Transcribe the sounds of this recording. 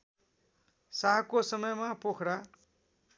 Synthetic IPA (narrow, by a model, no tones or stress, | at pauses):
saɦkosʌmʌjmapokʰɽa